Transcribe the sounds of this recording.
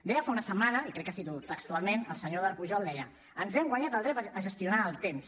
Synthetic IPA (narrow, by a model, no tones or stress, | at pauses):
d̪ɛəfaunəsəmanəikɾɛkːasit̪ut̪ːəkst̪ualˠmenə̰lˠsəɲoðəɾpuʒɔlˠd̪ɛjə | ənzɛmɡwaɲat̪əlˠd̪ɾɛpəʒəst̪iunaəlˠt̪ems